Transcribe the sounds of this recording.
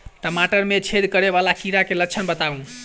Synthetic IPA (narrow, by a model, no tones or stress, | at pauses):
t̪əmaʈəɾmet͡ʃʰed̪kəɾeβalakiɾakelət͡ʃʰənbət̪aũ